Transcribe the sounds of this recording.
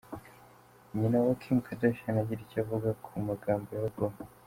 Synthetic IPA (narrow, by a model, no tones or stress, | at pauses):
ɲinawakʰimkʰadoʃanaɟiɾicavuɡakʰumaɡaːmbojaɡo